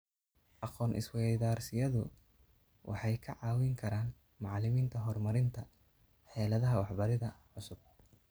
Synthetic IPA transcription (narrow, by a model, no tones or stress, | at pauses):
ʔɑqɔːnʔɪ̰swɛjðaːrsɪjɐðʊ̰ | wʔɑ̰ħɑjkʰɐʕɑːwɪŋkʰɐɾaːn | mɑʕlɪmiːnt̪ʰɐɦɔrmɐɾɪnt̪ʰɐ | ħɛːlɐðɐɦɐwɑħbɐɾɪðɐʕʊsʊb̥̚